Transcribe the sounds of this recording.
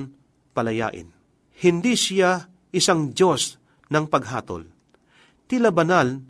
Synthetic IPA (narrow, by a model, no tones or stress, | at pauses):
n | pɐlɐja̰ːʔɪ̰n | hɪnd̪isɪja | ɪsaŋd͡ʒjo̞s | nɐŋpɐɡ̚ɦa̰ːt̪o̰l | t̪ɪlabɐnal